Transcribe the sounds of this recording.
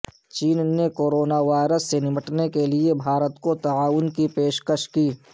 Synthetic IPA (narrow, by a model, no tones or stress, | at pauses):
t͡ʃiːnːekoːɾoːnaʋaːɪɾəsːenɪməʈnekeliebʱaːɾət̪kot̪ɐaːʋʊnkipeːʃkəʃkiː